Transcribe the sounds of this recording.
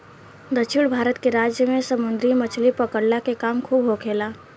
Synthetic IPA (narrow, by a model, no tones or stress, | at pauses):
d̪ət͡ʃʃʰɪɽbʱaːɾət̪keɾaːd͡ʒjəmẽsəmʊ̃nd̪ɾimət͡ʃʰlipəkəɽlakekaːmkʰuːbɦokʰeːlaː